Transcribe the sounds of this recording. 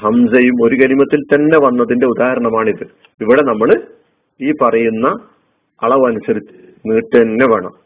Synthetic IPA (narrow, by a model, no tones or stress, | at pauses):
hɐmsɐjumo̞ɾukɐlimɐt̪ːilt̪ɐnːe̞ʋɐnːɐðinde̞ud̪aːɦɐɾɐɳɐmaːɳiðɨ | iʋiɽe̞nɐmːɐɭ | iːpɐrɐjunːɐː | ɭɐʋɐnusɐɾit͡ɕːɨ̥ | niːʈːɐnːe̞ʋɐɳɐ̰m